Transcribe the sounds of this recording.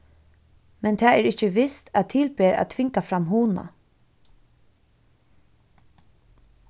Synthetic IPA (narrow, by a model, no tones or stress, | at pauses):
mɛnt̪ʰɛːɛɾɪht͡ʃəʋɪst̪æðt̪ʰɪlpeːɾa̰ðt̪ʰʋɪŋkafɾamɦuːna̰